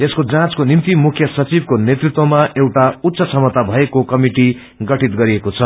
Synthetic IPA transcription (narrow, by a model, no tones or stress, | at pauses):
eskod͡zãt͡skonimt̪imukʰjʌsʌt͡sibkonet̪rit̪wʌmaʔewʈaut̪ːsʌsʌmʌt̪abʱʌekokʌmiʈi | ɡʌʈit̪ɡʌɾiekot͡sʰʌ